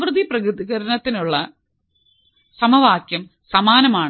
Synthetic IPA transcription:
ʋrɨd̪iprɐkɾɨðiɣɐɾɐnɐt̪ːinuɭːɐ | sɐmɐʋaːkjɐm | sɐmaːnɐmaːɳ

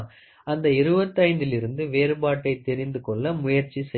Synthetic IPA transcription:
ɐnd̪ɐɪɾɯbɐt̪ːɐɪnd̪ɪlɪɾɯnd̪ɯʋeːɾɯpaːʈːɐɪt̪ɛɾɪnd̪ɯkɔɭːɐmʊjɐɾt͡ʃːisɛ

